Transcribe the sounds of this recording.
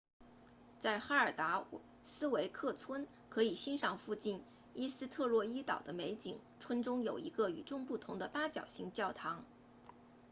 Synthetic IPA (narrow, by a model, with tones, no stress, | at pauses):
t͡sa˥˩ɪxa˥ə˞˨˩t̪a˧˥ | sɹ̩˥we˧˥ɪkʰɤ˥˩t͡sʰwə˥n | kʰɤ˧˥i˨˩ɕi˥nʂɑ˥˧ŋfu˥˧t͡ɕi˥˩n | i˥sɹ̩˥t̪ʰɤ˥˧lwɔ˥˩i˥t̪ɑ̰˨˩ʊd̪ə˦me˧˥ɪt͡ɕi˨˩ŋʈ͡ʂʰwə˥nʈ͡ʂʊ˥ŋjo˨˩ʊi˧˥ɡə˧y˨˩ʈ͡ʂʊ˥˧ŋpu˥˩t̪ʰʊ˧˥ŋd̪ə˧pa˥t͡ɕjɑ˨˩ʊɕi˧˥ŋt͡ɕjɑ˥˩ʊt̪ʰɑ˧˥ŋ